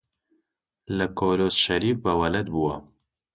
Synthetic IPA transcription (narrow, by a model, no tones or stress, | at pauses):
lɐkʰoloːsʃɐɾiːf̚bɐwɐlɐt̪̚buwɐ